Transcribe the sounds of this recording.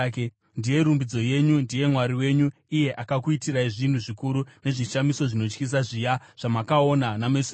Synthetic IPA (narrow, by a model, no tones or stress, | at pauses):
ndije̞ɾumbid͡zo̞je̞ɲundije̞mwaɾiwe̞ɲuije̞ʔakakuitiraiʐin̤uʐikuɾune̞ʐiʃamiso̞ʐino̞t͡ʃkis̬aʐijaʐ̥amakaonanames